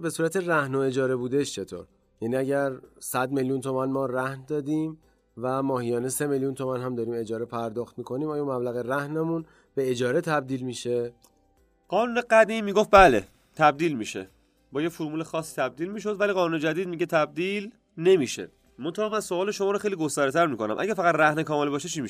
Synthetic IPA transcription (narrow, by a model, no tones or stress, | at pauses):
be̞suːɾæt̪ʰe̞ræhnoe̞d͡ʒɒːɾe̞buːd̪eʃt͡ʃʰe̞t̪ʰoːɾ | jæniːæɟæɾsæd̪me̞ljunt̪ʰo̞mænmɒːɾæhnd̪ɒːd̪iːm | væmɒːhijɒːnese̞meljunt̪ʰo̞mænɦæmd̪ɒːɾiːme̞d͡ʒɒːɾe̞pʰæɾd̪ɒːxt̪miːkʰo̞niːmɒːjɔmæblæɣeɾæhnemun | b̥e̞ed͡ʒɒːɾet̪ʰæb̚d̪iːlmiːʃe | ɢ̥ɒːnuːne̞ɡæd̪iːmːiːɡofbæle̞̰ | t̪ʰæb̚d̪iːlmiːʃe̞̰ | bɒːjefoɾmuːlexɒːsːi̥t̪ʰæb̚d̪iːlmiːʃ̬o̞d̪væliːɣɒːnuːned͡ʒæd̪iːd̪̚miɟe̞t̪ʰæb̚d̪iːl | ne̞miːʃḛ | mont̪ʰæhɑːmænsoɒːle̞ʃomɒːɾoxejliɡo̞st̪æːɾet̪ʰæɾmiːkʰo̞næ̰mʔæ̰ɟæɾfæɣæt̪ɾæhnekʰɒːmelbɒːʃet͡ʃʰiːmiʃ